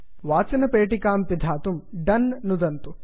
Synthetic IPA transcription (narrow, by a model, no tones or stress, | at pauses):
ʋaːt͡ʃɐnɐpeːʈikaːmpid̪ʱaːt̪umɖɐnːud̪ɐnt̪u